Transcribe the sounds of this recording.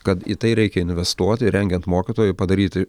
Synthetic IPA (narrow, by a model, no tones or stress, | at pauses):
kɐt̪ḭt̪ɐɪɾʲɛɪkʲɛɪnʲʋʲɛst̪uɔt̪ʲɪɾʲɛŋʲɡʲɛnt̪moːkʲɪt̪oːjɛɪpɐd̪ɐɾʲiːt̪ʲɪ